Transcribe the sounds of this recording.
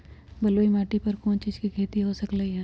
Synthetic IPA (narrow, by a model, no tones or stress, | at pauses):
bɐloːimaːʈipɐɾkoːnt͡ʃiːd͡ʒkikʰeːt̪iɦosɐkləiɦɛː